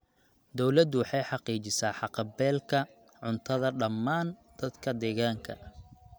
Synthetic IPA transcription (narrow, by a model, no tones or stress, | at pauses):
d̪ɔwlɐd̪wɑħɑjħɑqiːt͡ʃɪsaːħɑqɑbɛːlkʰɐ | ʕʊnt̪ʰɐðɐɖɐmːaːnd̪̥ɐd̪kʰɐd̪ɛːɣaːŋkʰɐ̰